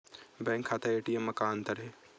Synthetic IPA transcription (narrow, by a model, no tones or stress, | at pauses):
bɛ̃ːŋkʰːaːt̪aeːʈijemːɐkaːnt̪ɐɾɦe